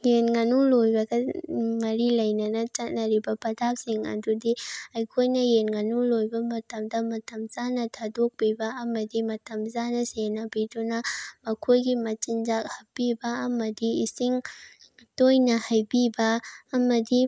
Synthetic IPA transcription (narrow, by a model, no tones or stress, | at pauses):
jenɡɐnulojbɐɡɐmɐɾilɐjnɐnɐt͡ʃɐt̚nɐɾibɐbɐdap̚siŋɐ̰dudiɐjkʰojnɐjenɡɐnulojbɐmɐtɐmdɐmɐtɐmzanɐtʰadok̚bibɐɐmɐdimɐtɐmzanɐsenɐbidunɐmɐkʰojɡimɐt͡ʃind͡ʒak̚hɐpːibɐːmɐdiisiŋ | tojnɐhajbibɐːmɐdi